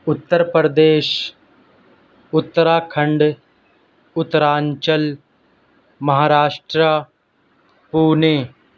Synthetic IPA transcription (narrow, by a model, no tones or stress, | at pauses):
ʊt̪ːəɾpɾəd̪eːʃ | ʊt̪ːəɾaːkʰə̃ɳɖ | ʊt̪ːəɾaːɲt͡ʃəl | mɐɦaːɾaːʃʈɾa | puːneː